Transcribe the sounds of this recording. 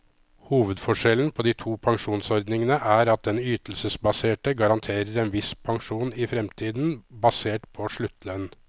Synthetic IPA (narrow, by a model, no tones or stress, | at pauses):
huːʋəd̪fɔʂɛln̩pʰɔːd̪iːt̪ʰuːpʰɑŋʂuːnsɔɾd̪nɪŋənəʔæːɾɑt̪̚d̪ɛnyːt̪l̩səsbɑseːʈəɡɑɾɑnt̪ʰeːɾəɾeːnʋɪspʰɑŋʂuːnɪfɾɛmt̪ʰiːd̪n̩bɑseːʈpʰɔʂɭʉt̪ʰːlœn